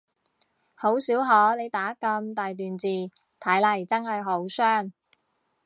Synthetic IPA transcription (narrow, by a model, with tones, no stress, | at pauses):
ho˨˥wsiː˨˥wɦɔː˨˥le˨˧jt̪aː˨˥kɐ˧mt̪aː˨jt̪yː˨nt͡siː˨˩ | t̪ʰɐ˨˥jlɐ˨˩jt͡sɐ˥nhɐ˨jɦo˨˥wsœː˥˩ŋ